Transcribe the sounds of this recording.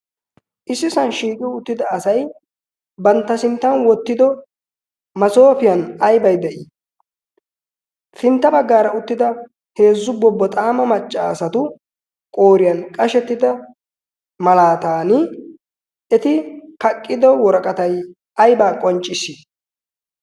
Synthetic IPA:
ʔɪsːɪsɐnʃiːkʼɪwʊt̪ːɪd̪ɐːsɐj | bɐnt̪ːɐsɪnt̪ːɐnwɔt̪ːɪd̪ɔ | mɐso̞ːfɪjɐnɐjbɐjd̪ɛʔiː | fɪnt̪ːɐbɐɡːaːɾɐʊt̪ːɪd̪ɐ | he̞ːzːʊbɔbːɔt̪ʼaːmɐmɐt͡ʃʼːaːsɐt̪ʊ | kʼo̞ːɾɪjɐnkʼɐʃɛt̪ːɪd̪ɐ | mɐlaːt̪aːnɪ | ɛt̪ɪkɐkʼːɪd̪ɔwɔɾɐkʼɐt̪ɐj | ɐjbaːkʼɔnt͡ʃʼːɪsːi

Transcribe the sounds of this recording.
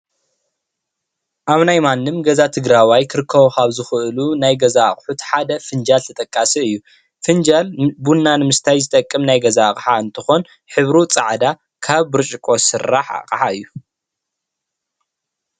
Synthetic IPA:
ʔaβnajmanːɨmɡɐzat̪ʰɨɡɾawajkʰɨɾɨkʰːɐβokʰaβzɨxɨʔɨlunajɡɐzaχʼħut̪ħad̪ɐfɨnd͡ʒalt̪ʰɐt̪ʼɐkʼːasiɨjːu | fɨnd͡ʒalbunːanɨmɨst̪ʰajzɨt̪ʼɐkʼːɨmnajɡɐzakʼħaɨnt̪ʰɨxo̞n | ħɨβɾut͡sʼaʕd̪a | kʰaβːɨɾt͡ʃʼɪkʼosɨraħa̰qʼħaɨjːu

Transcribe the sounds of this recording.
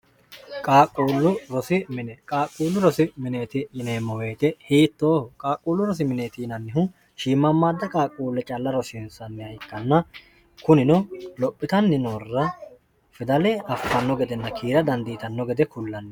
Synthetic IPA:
kʼaːkʼːuːlːʊɾɔsɪmɪnɛkʼaːkʼːuːlːʊɾɔsɪmɪneːt̪ɪɪneːmːɔweːt̪ɛhiːt̪ːoːhɔkʼaːkʼːuːlːʊɾɔs̬ɪmɪneːt̪ɪnɐnːɪɦʊ | ʃiːmːɐmːaːd̪ːɐkʼaːkʼːuːlːɛt͡ʃʼɐlːɐɾɔsɪnsɐnːɛɐjkːɐnːɐ | kʊnɪnɔlɔpʼːɪt̪ɐnːɪnoːrːɐ | fɪd̪ɐlɛʔɐfːɐnːɔɡɛd̪ɛnːɐkʰiːɾɐd̪ɐnd̪it̪ɐnːɔɡɛd̪ɛkʊlːɐnːɛ

